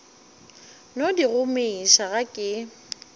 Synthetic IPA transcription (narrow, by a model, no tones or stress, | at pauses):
nodiɣʊmeiʃaɣakʼɪ